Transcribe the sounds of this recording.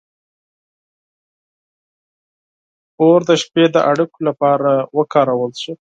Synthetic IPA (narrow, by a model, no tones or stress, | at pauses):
oɾd̪əʃped̪əʔaɽukolapɑɾawəkɑɾawəlʃu